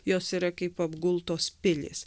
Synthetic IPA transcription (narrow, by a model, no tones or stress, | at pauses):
joːsiːɾɐkɐɪpɐbɡʊlˠt̪oːspʲɪlʲɪ̰s